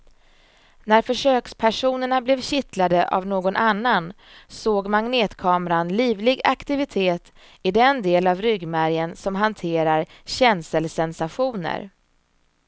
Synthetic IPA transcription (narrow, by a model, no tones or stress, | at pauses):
næɾfœʂøːkspʰæʂuːnəɳablɛvɕɪt̪ʰlad̪əʔa̰vnoːɡɔnʔanːan | soːɡmaŋneːt̪kʰɑːmɾanliːvlɪɡakt̪ɪvɪt̪ʰeːt̪ | ɪd̪ɛnd̪eːlavɾʏɡmæɾjənsɔmɦant̪ʰeːɾaɾɕɛnsəlsɛnsaɧuːnə̰ɾ